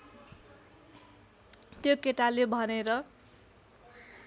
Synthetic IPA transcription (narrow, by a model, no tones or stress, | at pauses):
t̪jokeʈalebʱʌneɾʌ